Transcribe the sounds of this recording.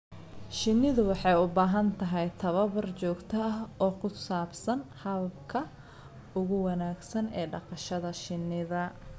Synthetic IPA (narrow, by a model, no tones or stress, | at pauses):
ʃɪnːɪðʊwɑħɑjʊbaːɦɐnt̪ʰɐɦɛjt̪ʰɐβɐβɐrt͡ʃɔːɡt̪ʰɐɐɦɔːkʰʊsaːbsɐnhɐβɐbkʰɐ | ʊɣʊwɑnaːɡsɐnɛːɖɑqɑʃɐðɐʃɪnːɪðɐ